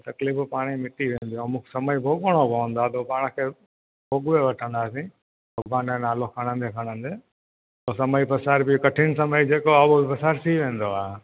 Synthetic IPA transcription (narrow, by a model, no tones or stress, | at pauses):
t̪ɐkliːfpaːɽ̃imɪʈiʋẽːnd̪ijõmũːkʰe̥sɐməibʱoːɠəɽ̃opɐʋə̃nd̪oaːt̪oːpaːɽ̃kʰeː | bʱoːɡʋeʋɐʈʰə̃nd̪aːsĩ | ɐbaːnẽnaːlokʰəɽ̃ə̃nd̪ekʰəɽ̃ə̃nd̪eː | t̪oːsɐməipɐsaːɾbɪkɐʈʰɪñsɐməid͡ʑeːkoabobɪpɐsaːɾsiʋẽːnd̪oaː